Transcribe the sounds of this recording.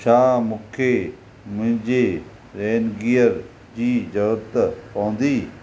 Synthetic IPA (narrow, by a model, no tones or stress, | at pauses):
ʃʰaːmʊ̃kʰe | mʊ̃ɦɪ̃ɲd͡ʑeː | ɾeːnɡijəɾ | d͡ʑiːd͡ʑɐʋɾt̪pɐʋə̃n̆d̪iː